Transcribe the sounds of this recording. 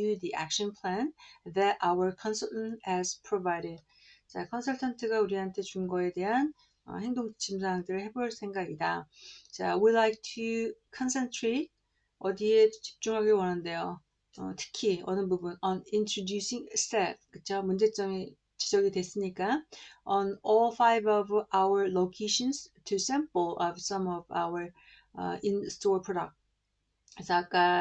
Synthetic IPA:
udiʔæ̰k̚ɕʌnpʰɭænðæɾʔawə˞kʰʌnsʌɭtnhɛz̥pʰɾovajɾed̚ | t͡ɕakʰʌnsʰʌɭtʰantʰɯɡauɾiɦantʰe̞t͡ɕumɡʌe̞de̞ɦan | ʌ̰he̞ŋdoŋt͡ɕit͡ɕʰims̬ʰawaŋdɯɾɯɭhe̞boɭs͈ʰe̞ŋɡaɡidat͡ɕawilajk̚tʰukʰʌnsʰentʰɾet̚ | ʌdie̞t͡ɕi̥p̚t͡ɕ͈uŋɦaɡewʌnande̞jo | ʌ̰tʰɯ̥kʰiʌnɯbubunʌnintʰɾodjusiŋstep̚kɯt͡ɕʰomund͡ʑe̞t͡ɕ͈ʌŋi | t͡ɕi̥d͡ʑʌɡidwes͈ɯɲik͈aʌnɔlfajbʌvawə˞lokʰeɕʌnstʰusɛ̃mplʌvsʌmʌva̰wə˞ | ʌ̰instopʰɹoda̰k̚t̚ | kesʰʌak͈a

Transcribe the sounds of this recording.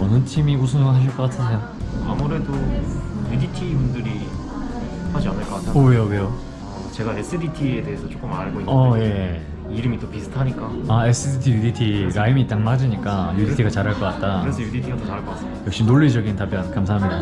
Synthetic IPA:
ʌnɯnt͡ɕʰimius̬ʰunoŋnɦaɕ̬ʰiɭk͈ʌk͈atʰɯnejo | a̰muɾe̞dojuditʰibundɯɾi | had͡ʑianɯɭk͈ʌk͈atʰaowejowejo | ʌ | t͡ɕe̞ɡaes͈ɯditʰiede̞ɦesʰʌt͡ɕ͈ok͈ɯmaɭɡoinʌje̞ | iɾɯmit͈opisʰɯ̥tʰaɲik͈aaes͈ɯditʰijuditʰiɾaimiːt͈aŋmad͡ʑiɲik͈ajuditʰiɡat͡ɕaɾɦaɭk͈ʌk͈at̚t͈aɯɾesʰʌjuditʰiɡatʌt͡ɕaɭk͈ʌk͈as͈ejʌkɕ͈iminoɭːid͡ʑʌɡintap͈jʌnkamsʰaɦamida

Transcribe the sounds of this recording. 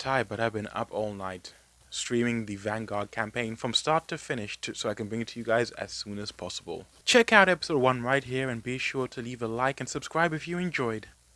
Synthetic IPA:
tʰaɪbʌɾaɪvbɨ̃nʌ̰pʰɔlˠnaɪt | stɹ̥ĩmɪ̃ŋðɨvæ̃nɡɑɹd̚kʰæ̃mpʰẽɪ̃nfɹʌ̃mstɑɹtʰɨfɪ̃nɪʃtʰɨsoʊaɪkɨ̃n̩bɹɪ̃ŋɨtʰɨjɨɡaɪzɨ̰z̥sũnɨz̥pʰɑsəbə̰lˠ | t͡ʃʰɛkaʊɾɛpɪsoʊd̚wʌ̃nɹaɪt̚ɦiɹɨ̃nbiɨʃʊɹɾʰɨlivəlaɪkɨ̃nsɨb̥skɹaɪbɨfjɨɨ̃nd͡ʒɔɪd̥

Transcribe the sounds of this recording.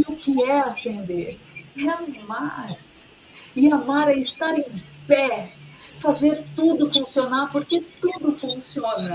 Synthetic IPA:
iʊkɪɛasẽnd̪eɾ | ɛɐnimaɾ | ɪamaɾɐɪst̪aɾẽj̃pɛ | fazeɾt̪ud̪ʊfũsionaɾpoɾket̪ud̪ʊfũsiõnɐ

